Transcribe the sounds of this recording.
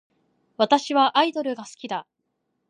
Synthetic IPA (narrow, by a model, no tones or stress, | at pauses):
βat̪aɕiβaʔːid̪o̞ɾɯ̟ɡasɨ̥kʲid̪a